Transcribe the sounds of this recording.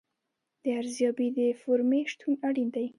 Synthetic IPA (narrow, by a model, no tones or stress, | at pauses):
d̪̥əaɾzjɑbid̪əfoɾmeʃt̪ʰunaɽind̪aj